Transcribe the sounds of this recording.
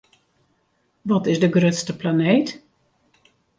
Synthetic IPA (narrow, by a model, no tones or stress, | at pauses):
ʋɔtɪsdəɡrøtstəplaneːt